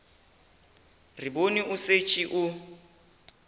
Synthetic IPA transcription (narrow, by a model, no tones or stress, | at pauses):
riboniʔʊset͡ʃʼiʔʊ